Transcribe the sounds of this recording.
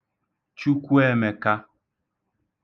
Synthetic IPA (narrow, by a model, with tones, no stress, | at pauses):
t͡ʃu˦kʷu˦ɛ˦˨me˨ka˦